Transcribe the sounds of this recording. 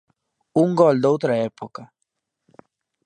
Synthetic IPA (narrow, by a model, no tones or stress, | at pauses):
uŋɡold̪owt̪ɾaepoka